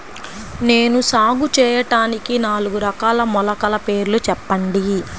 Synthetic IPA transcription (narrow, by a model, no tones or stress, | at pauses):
ne̞ːnusaːɡut͡ʃɛːjɐʈaːnikinaːluɡuɾɐkaːlɐmɔlɐkɐlɐpe̞ːɾlut͡ʃɛpːɐɳɖi